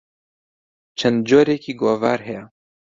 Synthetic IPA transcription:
t͡ʃʰɐnd̪̚d͡ʒoːɾeːkʰiːɡoːva̰ːɾɦɛjɛ

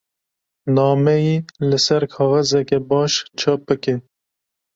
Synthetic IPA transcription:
nɑːmɛjilɨsɛɾkʰɑːɣɛzɛkɛbɑːʃt͡ʃʰɑːp̚bɨke

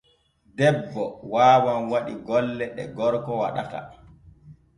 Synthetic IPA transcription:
dɛbːɔwaːwanwaɗiɡɔlːɛɗɛ̰ɡɔɾkɔwa̰ɗa̰ta̰

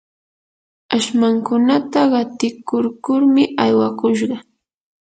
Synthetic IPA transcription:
aʃmaŋkʊnat̪aɢɑt̪ɪkʊɾkʊɾmɪajwakʊʃ̬ɢɑ

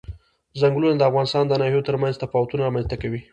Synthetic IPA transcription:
zaŋɡlunad̪əafɣɑnɪst̪ɑnd̪ənɑhijot̪əɾmanzt̪afɑwat̪unaɾamanst̪akawi

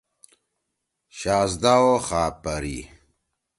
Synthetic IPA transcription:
ɕaːzd̪awoχaːpɐɾḭ

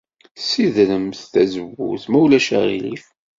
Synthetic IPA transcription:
siðɾəmθθæzəwːṵθmæwlæʃæ̰ʁḭlḭf

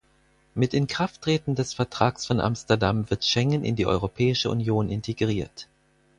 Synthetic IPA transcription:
mɪtɪnkʁ̥aftʁ̥eːtn̩dɛsfɛɐtʁ̥aːksfɔnʔa̰mstɐɐdamvɪɐtʃɛŋənɪ̰ndiːʔɔ̰ʏʁopʰɛːɪʃəṵnjoːnɪntʰeɡʁiːɐt

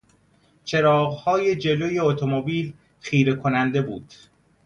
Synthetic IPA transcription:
t͡ʃʰe̞ɾɒːɣhɒːje̞d͡ʒe̞lo̞ːje̞ot̪ʰomobiːl | xiːɾe̞kʰonænd̪e̞buːd̪̥

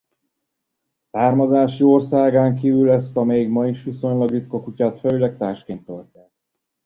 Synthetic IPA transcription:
saːrmɒzaːʃio̞rsaːɡaːŋkiːvylɛst̪ɒmɛiɡmɒiʃʋiso̞ɲlɒɡɾit̪kokucaːt̪fɛlylɛk̚t̪aːʃkeːnt̪ølt̪ɛ

